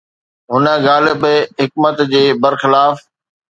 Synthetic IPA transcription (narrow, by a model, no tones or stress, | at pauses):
ɦʊnə̆ɣaːlɪbɦɪk̚mət̪d͡ʑeːbəɾxɪlaːf